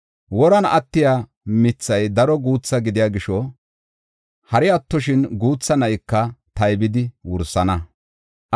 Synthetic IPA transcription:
wɔɾɐnɐ̰t̪ːɪjaː | mɪt͡sːɐjd̪ɐɾɔɡuːt͡sːɐɡɪd̪ɪjaːɡɪʃɔ | hɐɾɪɐt̪ːɔʃɪnɡuːt͡sːɐnɐjkːɐt̪ɐjbɪd̪ɪwʊɾsːɐnɐ

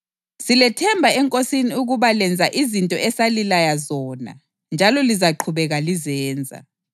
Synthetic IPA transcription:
silɛtʰɛmbʱaɛŋkʼosiniuɣuβalɛnd͡zʱaʔizintʼɔʔɛsalilajazɔːna̰ | nd͡ʒʱalɔlizaǃʰuβɛɣalizɛːnd͡zʱa̰

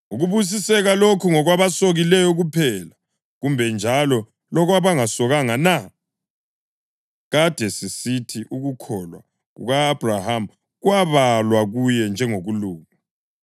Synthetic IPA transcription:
uɣuβus̬isɛɣalokʰuŋɔɣwaβasoɣilɛjɔɣupʰɛla | ɣumbʱɛnd͡ʒʱalɔ | lɔɣwaβaŋasɔɣaŋana | ɣad̥ʱɛsisitʰiʔuɣukʰɔlwa̰ | ɣṵɣaːb̥ʱraham̩ | ɣwaβalwaɣujɛnd͡ʒʱɛŋoɣuluːŋu

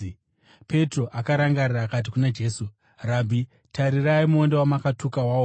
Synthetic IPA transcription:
pe̞tro̞ʔakaɾaŋɡariraːkat̬ikunad͡ʒe̞ːsu | raːbʱi | taɾiraimuondewamakatukawaːwo

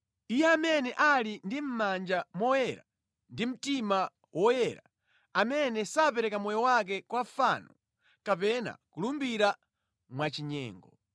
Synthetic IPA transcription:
ijɛamɛnɛʔalindim̩mand͡ʒamɔjɛɾa | ndim̩tima | wʔɔjɛɾa̰ | amɛnɛsapɛɾɛkamɔjɔwak̬ɛkwafanɔ | kapɛna̰kulumbiɾa | mwat͡ʃiɲɛ̰ːŋɡɔ

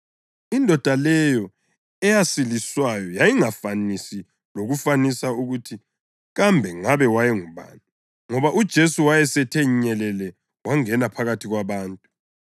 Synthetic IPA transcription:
indʱɔd̥ʱalɛjɔ | ɛjasiliswajɔjajiŋafanisi | loɣufanisauɣutʰi | ɣambʱɛŋaβɛwajɛŋuβa̰ːnu | ŋɔβaʔud̥ʒ̥ʱesuwajɛsɛtʰɛɲɛlɛlɛ | waŋɛnapʰaɣatʰiɣwaβaːntʼu

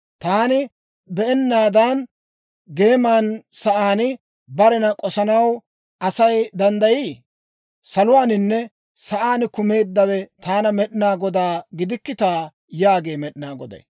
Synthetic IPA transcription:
t̪aːnɪ | bɛʔɛnːaːd̪an | ɡe̞ːmaːnsɐʔaːnɪ | bɐɾɛnɐkʼɔsɐnɐw | ʔɐsɐjd̪ɐnd̪ɐjiː | sɐlʊwaːnɪnːɛ | sɐʔaːnɪkʊme̞ːd̪ːɐwɛt̪aːnɐmɛɗɪnaːɡɔd̪aːɡɪd̪ɪkːɪt̪aː | jaːɡe̞ːmɛɗɪnaːɡɔd̪ɐ̰j

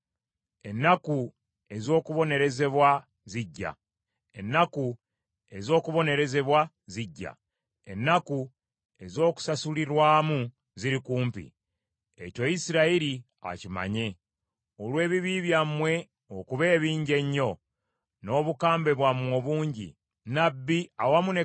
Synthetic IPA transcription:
e̞nːaku | e̞zo̞ːkuβo̞ne̞ɾe̞ze̞βwa | ziɟːa̰ | e̞nːaku | e̞zo̞ːkuβo̞ne̞ɾe̞ze̞βwa | ziɟːa̰ | e̞nːaku | e̞zo̞ːku̥sasuliɾwaːmu | ziɾikuːmpḭ | eco̞jisiɾaiɾi | a̰cima̰ɲe̞ | olwe̞ːβiβiβjamwe̞ | okuβe̞ːβiːɲɟe̞ɲːo̞ | no̞ːβukaːmbe̞βwamwo̞ːβuːɲɟḭ | nabːiawamune

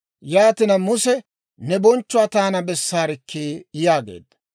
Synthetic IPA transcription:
jaːt̪ɪnɐmʊsɛ | nɛbɔnt͡ʃːʊaːt̪aːnɐbɛsːaːɾɪkʰːeːjaːɡḛːd̪ːɐ̥

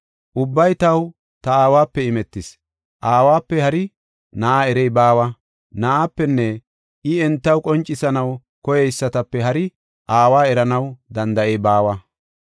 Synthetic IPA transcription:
ʔʊbːɐjt̪ɐw | t̪ɐaːwaːpːɛɪmɛt̪ːɪs | ʔaːwaːpːɛhɐɾɪ | nɐʔaːɛɾɛjbaːwɐ | nɐʔaːpːɛnːɛ | ʔɪɛnt̪ːɐwkʼɔnt͡ʃʼːɪsɐnɐw | kɔjɛjsːɐt̪ɐpːɛɦɐɾɪ | ʔaːwaːɛɾɐnɐwd̪ɐnd̪ɐʔɛjbaːwɐ

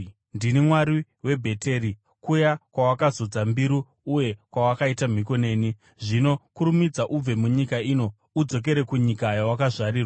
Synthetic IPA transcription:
ndinimwaɾi | we̞bʱe̞tʰe̞ːɾi | kujakwawakazod͡zambiɾuː | je̞kwawakaitam̤iko̞ne̞ːni | ʐino̞kuɾumid͡zaʔub͡ve̞muɲikaiːno̞ | ud͡zo̞k̬e̞ɾekuɲikajawakaʐaɾiːrwa

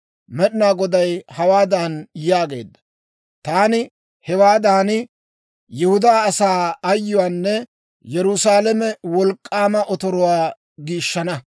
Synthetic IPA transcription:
mɛɗɪnaːɡɔd̪ɐjhɐwaːd̪aːnjaːɡe̞̰ːd̪ːɐ̥ | t̪aːnɪ | hɛwaːd̪aːnɪ | jɛhʊd̪aːɐsaːɐjːʊwaːnːɛ | jɛɾʊsaːlɛmɛwɔlkʼːaːmɐʔɔt̪ɔɾʊwaː | ɡiːʃːɐnɐ

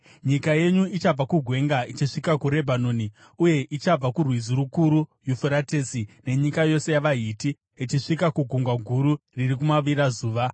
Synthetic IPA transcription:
ɲikaje̞ɲuit͡ʃab͡vakuɡʱwe̞ŋɡait͡ʃiʂikakuɾe̞bʱanoni | uje̞ʔit͡ʃab͡vakurwizuɾukuɾujufuɾatesine̞ɲikajo̞se̞jaʋaɦiti | it͡ʃiʂikakuɡʱuŋɡwaɡʱuɾuririkumaʋiɾazuːʋa

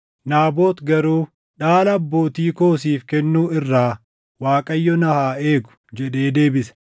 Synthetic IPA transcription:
naːbo̞ːt̪ɡɐɾuː | ᶑaːlɐɐbːo̞ːt̪iːko̞ːsiːfkɛnːuːɪrːaː | waːkʼɐjːɔnɐhaːeːɡʊ̥d͡ʒɛᶑe̞ːd̪e̞ːbɪsɐ̥

